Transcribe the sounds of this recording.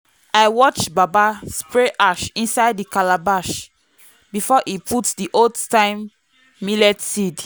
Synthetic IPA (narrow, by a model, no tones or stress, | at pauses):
aɪwɔt͡ʃbabaspɹeʔaʃĩnsaɪdikalabaʃ | bifɔʔipʰutdiʔodtãɪ̃mː | ilɛtsid